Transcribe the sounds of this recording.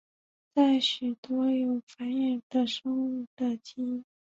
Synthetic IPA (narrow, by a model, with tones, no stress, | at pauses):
t͡sa˥˩ɪɕy˨˩t̪wɔ˥jo˨˩ʊfa˧˥nɛ˥˩d̪ə˨ʂɤ˥ŋu˥˩d̪ə˨t͡ɕi˥